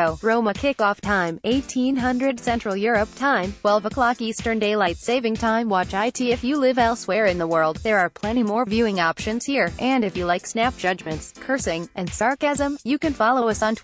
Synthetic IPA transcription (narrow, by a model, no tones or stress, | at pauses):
ʊɹõʊ̃məkʰɪkɔftʰãɪ̃meɪtʰĩnɦʌ̃ndɹɨd̥sɛ̃nt͡ʃɹ̥l̩ˠjʊɹəp̚tʰãɪ̃mtʰw̥ɛlˠvəkʰl̥ɑkistə̃˞ndeɪlaɪtseɪvɪ̃ŋtʰãɪ̃mwɑt͡ʃaɪtʰiɨfjɨlɪvɛlˠswɛɹɨ̃nðəwɜ˞lˠd̪̚ðə˞ə˞pʰl̥ɛ̃ɾ̃imɔɹvjʉɪ̃ŋɑpʃɨ̃nz̥hiɹʔɨ̃ndɨfjɨlaɪksnæp̚d̥ʒ̥ʌd͡ʒmɨ̃ntskʰɜ˞sɪ̃ŋʔɨ̃nsɑɹkæzə̃mjɨkɨ̃nfɑlˠoʊʌsn̩tʰ